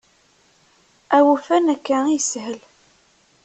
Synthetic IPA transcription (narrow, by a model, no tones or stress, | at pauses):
æwufænækːæisɦəl